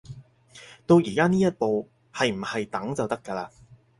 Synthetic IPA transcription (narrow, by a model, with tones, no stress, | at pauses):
t̪o˧wjiː˨˩kaː˥niː˥jɐ˥t̚po˨w | hɐ˨jm̩˨˩hɐ˨jt̪ɐ˨˥ŋt͡sɐ˨wt̪ɐ˥kːɐ˧laː˧